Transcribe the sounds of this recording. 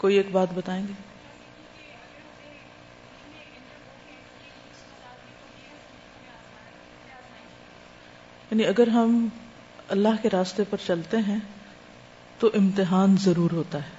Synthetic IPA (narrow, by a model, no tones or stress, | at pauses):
koːieːkbaːt̪bɐt̪aːẽːŋɡeː | jaːniɐɡəɾɦɐm | ɐlːaɦkeɾaːst̪epɐɾt͡ʃɐlt̪eɦɛ̃ | t̪oʔɪ̃mt̪ɪɦaːnzɐɾuːɾɦoːt̪aɦɛː